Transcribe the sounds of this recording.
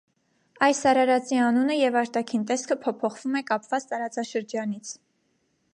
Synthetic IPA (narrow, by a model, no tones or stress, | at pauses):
ɑjsːɑɾɑɾɑt͡siɑnunəjɛvɑɾt̪ɑkʰint̪ɛskʰəpʰɔpʰɔχv̥umɛkɑpvɑt͡st̪ɑɾɑt͡sɑʃəɾd͡ʒɑnit͡sʰ